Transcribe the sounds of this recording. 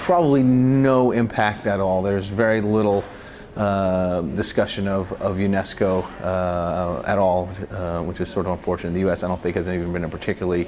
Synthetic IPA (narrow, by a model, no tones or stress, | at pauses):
pʰɹ̥ɑbəblinoʊɪ̃mpʰæk̚tɨɾɔlˠðə˞zvɛɹilɪɾl̩ˠ | dɨskʌʃɨ̃nʌvʌvjʉnɛskoʊ | ɨ̰ɾɔlˠwət͡ʃɨz̥sɔɹɾʌvə̃ɱfɔɹt͡ʃɨnɨt̪̚ðɨjʉɛsaɪdõʊ̃nθɪ̃ŋkhɨznivn̩bɨ̃nɨt̚pʰə˞tʰɪkʰjl̩ˠəi